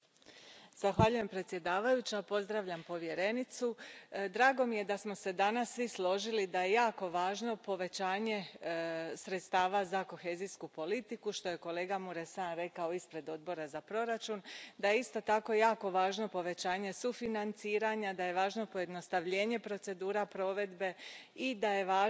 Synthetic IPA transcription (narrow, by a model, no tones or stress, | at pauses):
z̥axʋaʎujempɾe̞t̪sje̞d̪aːʋajut͡ɕapo̞zd̪ɾaʋʎampo̞ʋje̞ɾe̞nit̪sud̪ɾaːɡo̞mije̞d̪asmo̞se̞d̪anasːʋislˠo̞ʒilid̪aje̞jaːko̞ʋaːʒno̞po̞ʋe̞t͡ɕaːɲe̞ | sɾet̪st̪aːʋazako̞xe̞ːziskupo̞lit̪ikuʃt̪o̞je̞ko̞le̞ːɡamuɾesanɾe̞kao̞ispɾe̞d̪o̞d̪̚bo̞ɾazapɾo̞ɾat͡ʃund̪ajeist̪o̞t̪ako̞jjaːko̞ʋaːʒno̞po̞ʋe̞t͡ɕaːɲesufinant̪siːɾaɲad̪aje̞ʋaːʒno̞po̞je̞d̪no̞st̪aʋʎeːɲe̞pɾo̞t̪se̞d̪uːɾapɾo̞ːʋe̞d̪be̞id̪aje̞ʋaː